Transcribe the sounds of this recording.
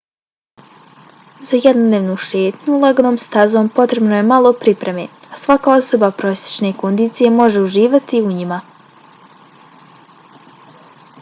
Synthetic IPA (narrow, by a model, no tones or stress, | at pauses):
zajed̪nod̪neʋnuːʃe̞ːt̪ɲuleɡonoːmst̪azo̞ːmpo̞t̪ɾe̞bnoje̞malˠo̞pɾipɾe̞me̞asʋakaːo̞so̞bapɾo̞sʲje̥t͡ʃne̞ko̞nd̪iːt̪sije̞mo̞ʒe̞uʒiːʋat̪iuɲima